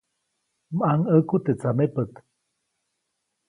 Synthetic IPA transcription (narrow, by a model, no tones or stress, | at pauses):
maŋəkut̪et͡samepət̪